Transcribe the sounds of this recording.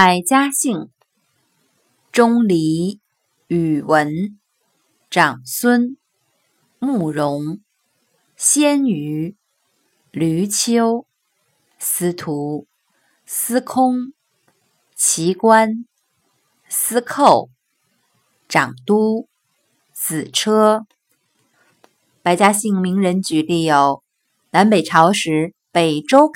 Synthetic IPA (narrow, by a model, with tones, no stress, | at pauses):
pa˧˩ɪt͡ɕja˥ɕi˥˩ŋ | ʈ͡ʂʊ˥ŋli˧˥ | y˨˩wə˧˥n | ʈ͡ʂɑ˨˩ŋswə˥n | mu˥˩ɻʊ˧˥ŋ | ɕjɛ˥ny˧˥ | ly˧˥t͡ɕʰjo˥ʊ | sɹ̩˧˥t̪ʰu˧˥ | sɹ̩˥kʰʊ˥ŋ | t͡ɕʰi˧˥kwa˥n | sɹ̩˥kʰo˥˩ʊ | ʈ͡ʂɑ˨˩ŋt̪u˥ | t͡sɹ̩˨˩ʈ͡ʂʰɤ˥ | pa˧˥ɪt͡ɕja˥ɕi˥˩ŋmi˧˥ŋɻə˧˥nt͡ɕy˨˧˥li˥˩jo˨˧˩ʊ | na˧˥npe˨˩ɪʈ͡ʂʰɑ˧˥ʊʂɻ̩˧˥ | pe˨˩ɪʈ͡ʂo˥ʊ